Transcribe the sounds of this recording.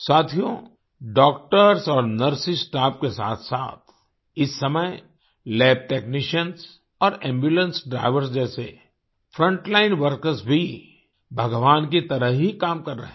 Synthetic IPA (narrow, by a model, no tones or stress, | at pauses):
saːt̪ʰijõ | ɖɔːk̚ʈəɾsɔːɾnəɾsisʈaːp̚kesa̰ːt̪ʰsaːt̪ʰ | ɪsːɐməj | lɛːb̚ʈeːknɪʃəns | ɔːɾɛ̃ːmbjuːlə̃nsɖɾa̰ːɪʋəɾsd͡ʒɛːse | fʰɾə̃ɳʈlaːɪnʋəɾkəɾsbʱi | bʱɐɡʋaːnkit̪ɐɾəɦɦikaːmkɐɾːɐɦɛ̃